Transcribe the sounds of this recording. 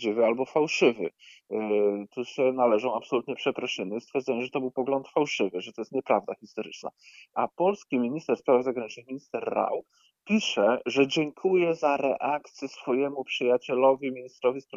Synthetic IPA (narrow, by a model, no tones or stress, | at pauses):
d͡ʑivɘalbɔfawʂɘvɘ̰ | t̪usɛnalɛʐɔ̃w̃apsɔlut̪ɲɛpʂɛpɾɔʂɘnɛst̪fʲjɛɾd̪ɛɲɛ̃w̃ʐɛt̪ɔbɘwpɔɡlɔnt̪fawʂɘvɘʐɛt̪ɔjɛst̪ɲɛpɾavd̪axʲist̪ɔɾɘ̰t͡ʂna̰apɔlskʲimʲiɲist̪ɛɾspɾavzaɡɾaɲit͡ʂnɨxmiɲist̪ɛɾːa̰w | pʲiʂɛʐɛd͡ʑɛŋkʰujɛzaɾɛ̰ʔakt̪sʲjɛsfɔjɛmupʂɘjat͡ɕɛlɔvʲimʲiɲist̪ɾɔvʲispɾa